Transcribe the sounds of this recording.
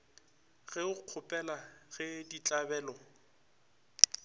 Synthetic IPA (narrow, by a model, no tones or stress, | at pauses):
ɣɛʊq͡χʰʊpʼɛlaɣɪdit͡ɬʼabɛːlɔ